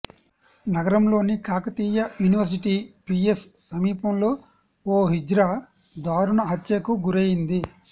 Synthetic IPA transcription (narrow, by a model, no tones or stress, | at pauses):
nɐɡɐɾɐmlo̞ːnikʰaːkɐt̪iːjɐjuːniʋɐɾs̬iʈiːpiessɐmiːpɐmlo̞ː | oːɦid͡ʒɾa | d̪aːɾuɳɐɦɐt̪jɐkuɡuɾeːjind̪i